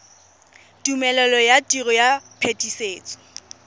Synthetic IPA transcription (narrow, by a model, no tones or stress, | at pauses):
tumɛlɛlɔjatʼirɔjapʰetʼiseːt͡sʼɔ̥